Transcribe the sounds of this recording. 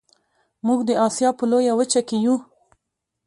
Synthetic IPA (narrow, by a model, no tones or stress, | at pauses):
muɡd̪əɑsjɑpəlojawət͡ʃakeju